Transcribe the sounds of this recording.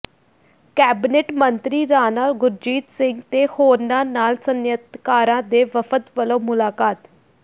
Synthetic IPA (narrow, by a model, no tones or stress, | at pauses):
kɛːbɪneːʈmənt̪ɾiːɾaːnaːɡʊɾd͡ʒiːt̪sɪŋɡt̪eːhoːɾnãːnaːlsənjət̪kaːɾãːd̪eːʋəpʰət̪ʋəloːmʊlaːkaːt̪